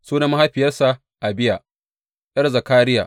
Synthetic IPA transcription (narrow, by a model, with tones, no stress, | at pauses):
suː˦na˦ma˦ɦa˦ɸɪ˨jɐ˦sa˨ | ʔa˨bɪ˦ja˨ | ʔɐ˦rzɐ˨kaː˦ɾɪ˦ja̰ː˨